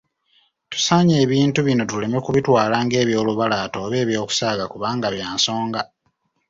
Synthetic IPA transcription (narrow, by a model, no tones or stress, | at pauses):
tu̥saːɲe̞ːβiːntuβino̞tule̞mekuβitwaːlaːŋɡe̞ːβjo̞ːluβalaːto̞ːβe̞ːβjo̞ːku̥saːɡakuβaːŋɡaβjaːnso̞ːŋɡa